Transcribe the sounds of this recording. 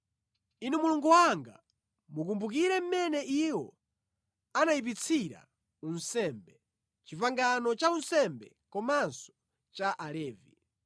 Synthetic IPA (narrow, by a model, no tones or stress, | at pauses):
inɛmuluŋɡuwaŋɡa̰ | mukumbuk̬iɾɛm̩mɛnɛʔiwɔ | anaip̬it͡sʰiɾa̰ | unsɛmbɛ | t͡ʃivaŋɡanɔt͡ʃaunsɛmbɛ | kɔmansɔ̥ | t͡ʃaʔalɛːvi